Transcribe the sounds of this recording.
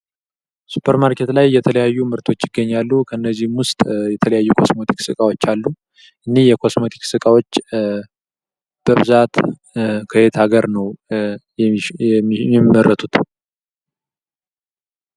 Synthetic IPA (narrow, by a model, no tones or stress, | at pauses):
su̥pʰːəɾmaɾkʰe̞t̪lajːɛt̪ʰələjajːumɨɾt̪ʰo̞t͡ʃːɪɡːəɲːalːukʰəɨnːəzːihmwʊst̪ʼjɛt̪ʰələjajːukʰo̞smo̞t̪ʰi̥ksɨkʼawo̞t͡ʃːalːu | ʔɨnːihjɛkʰo̞smo̞t̪ʰi̥ksɨkʼawo̞t͡ʃː | b̥əβɨzat̪ | kʰəhet̪ʰaɡəɾnəw | imːərːʔət̪ʰut̪